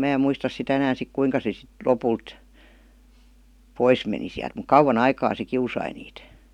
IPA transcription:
mæː em muistɑs sitæ enæːn̞ sik kuiŋkɑ se sit lopult pois meni siælt muk kɑuwɑn ɑikɑː se kiusɑi niːt

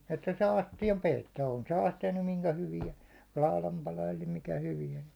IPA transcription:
etːæ sɑː ɑstijɑm peitːoː on se ɑstijɑ nym miŋkæ hyʋiæ lɑˑu̞lɑm pɑlɑ eli mikæ hyʋiæn̞

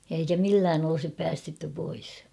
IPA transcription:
jɑ eikæ milːæːn olŏsip pæːstetːy pois

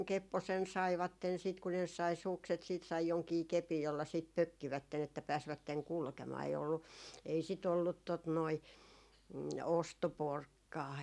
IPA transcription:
kepːosen sɑiʋɑtːen sit ku ne sɑi sukset siːt sɑi joŋkiː kepij jolːɑ siˑt pøkːiʋætːen etːæ pæːsʋætːeŋ kulkemɑː ei olːu ei sit olːut tot noi ostoporkːɑː

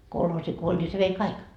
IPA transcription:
kolhoːsi ko olʲ ni se ʋei kɑik

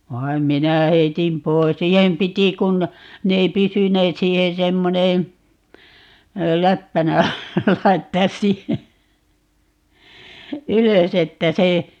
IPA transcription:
ʋɑi̯m minæ heitim pois siːhem piti kun ne ei pysyneːt siːhen semːoneː læpːænæ lɑitːɑːs siːhe yløs etːæ se

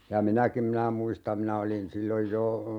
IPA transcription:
jɑ minækim minæ muistɑm minæ olin silːoj jo

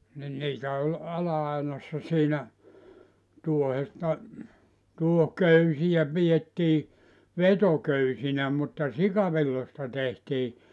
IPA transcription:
nin niːtæ olʲ ɑlɑɑinɑsːɑ siːnæ tuohestɑ tuohkøysijæ pijetːiː ʋetokøysinæ mutːɑ sikɑʋilːostɑ tehtiː

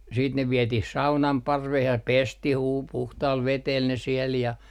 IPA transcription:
siːt ne ʋietih sɑunɑm pɑrʋeh jɑ pestih uː puhtɑːl ʋetel ne siel jɑ

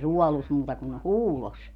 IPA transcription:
ruɔlus muːtɑ kun huːlos

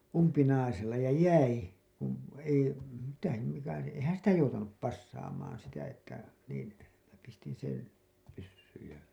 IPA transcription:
umpinɑiselːɑ jɑ jæi kun ei mitæ se mikæ se eĭhæn sitæ joutɑnup pɑsːɑːmɑːn sitæ etːæ niːn mĭnæ pistin sen pysːyːj jɑ

